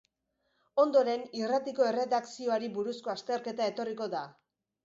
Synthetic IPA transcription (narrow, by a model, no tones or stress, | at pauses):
o̞nd̪o̞ɾe̞nirat̪iko̞e̞re̞ðaksio̞aɾiβuɾusko̞ast̪eɾke̞t̪ae̞t̪o̞riko̞ða